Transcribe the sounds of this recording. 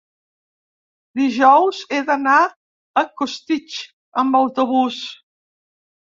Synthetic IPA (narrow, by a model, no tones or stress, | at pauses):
d̪iʒɔwzeðəna | əkust̪it͡ʃ | əmbəwt̪uβus